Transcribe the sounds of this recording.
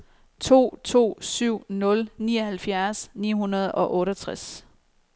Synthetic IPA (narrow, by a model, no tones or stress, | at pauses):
t͡sʰo̝̰ːt͡sʰo̝̰ːsyʊ̰nɔ̽lniːɒhælfjæɐsnḭːɦunɐð̞̩ˠɒ̽ʔɔ̽ːɾɒt͡sʰʁas